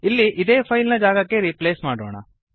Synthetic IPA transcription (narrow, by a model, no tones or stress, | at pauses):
ilːiʔid̪e̞ːpʰɐjlnɐd͡ʒaːɡɐkːe̞ɾipleːsmaːɽoːɳɐ̰